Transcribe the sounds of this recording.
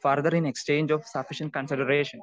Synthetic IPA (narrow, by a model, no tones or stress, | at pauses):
fəɾd̪əɾĩnekst͡ʃẽːnd͡ʒɔʋsɐfɪʃə̃ɳʈ̚kə̃nsɪɖəɾeːʃə̃n